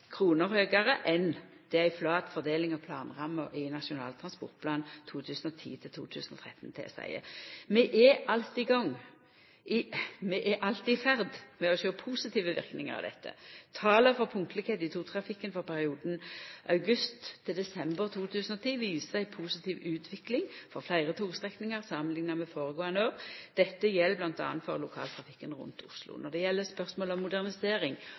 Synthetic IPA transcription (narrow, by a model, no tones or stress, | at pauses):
kʰʁuːnəɾhøːɡɑʁəʔɛn | d̪̥ɛææɪflɑːt̪fɔd̪eːlɪŋɑʋpʰlɑːnʁɑmːəʔɪnɑʂʊnɑ̰ːlt̪ʰʁɑnspɔ̰ʁt̪̚pʰlɑːnt̪ʰuːt̪ʰʉːsn̩ɔt̪ʰḭːt̪ʰɪlt̪ʰṵːt̪ʰʉ̰ːsnɔ̰t̪ʰʁɛt̪ːn̩t̪ʰḛːsæ̰ɪə̰mɛʔɛʔɑlt̪ɪɡɑŋː | ɪmɛʔæʔɑlt̪ɪfæʁd̪mɛɔʃøːpʰuːsɪt̪ʰiːʋəʋɪ̰ʁknɪ̰ŋə̰ʁɑ̰ʋd̪ɛ̰t̪ʰːə̰t̪ʰɑːləfɔʁpʰʊŋt̪lɪkeːt̪ɪt̪ʰuːt̪ʰʁɑfɪkːənfɔʁɾpʰæʁɪuːd̪n̩ʔɑʉɡʉst̪ʰːɪld̪ɛsɛmbəʁt̪ʰuːt̪ʰʉːsən̩ɔt̪ʰiːʋiːsəsæɪpʰuːsɪt̪ʰiːʋʉːt̪ʰʋɪklɪŋfɔʁflæɪʁət̪ʰuːɡst̪ʁɛknɪŋɑʁsɑmənlɪŋnɑmɛfoːʁəɡoːɛnøːʁd̪̥ɛt̪ːəjɛlːblɑnt̪ɑ̰ːnt̪fɔʁlʊkʰɑ̰ːlt̪ʰʁɑfɪkːənʁʉ̰nt̪ʰʊ̰slʊ̰nɔʁd̪ɛjɛlːəspœʁsmoːlɔmːʊd̪æʁnɪseːɾɪŋ